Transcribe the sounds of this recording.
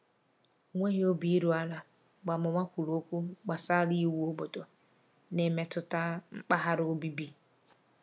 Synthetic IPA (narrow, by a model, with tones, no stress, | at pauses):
ŋʷe˦hi˦o˦bi˦ɾu˨a˦la˨ | ɡ͡ba˨mɔ˨ma˦ku˨lo˦ku˦ɡ͡ba˨sa˦li˦wo˦bɔ˨tʼɔ˨ | nɛ˨mɛ˨tʊ˦ta˦m̩˦k͡pa˦ɦa˦ɾo˦bi˦bi˦